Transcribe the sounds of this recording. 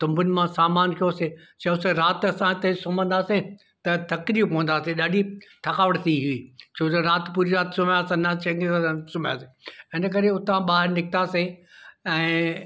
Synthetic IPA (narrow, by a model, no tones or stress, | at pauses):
t̪ɐ̃mbʊnɪ̆mãsaːmaːnkʰijose | t͡ɕɐʊseɾaːt̪ɐsãt̪ɐ̃sʊmə̃nd̪aːse | t̪ɐt̪ʰɐkliːpɐʋə̃nd̪aːseɗaːɖʱit̪ʰɐkaːʋəʈt̪ʰiɦuiːt͡ɕʰoːd͡ʒoɾaːt̪puːɾiɾaːt̪sʊmjaːsẽnɐt͡ɕɐ̃ŋɡesãsʊm̤jaːseɪnə̆k̬ɐɾeʊt̪ãɓaːɦɪɾnɪkʰt̪aːseɛ̃ː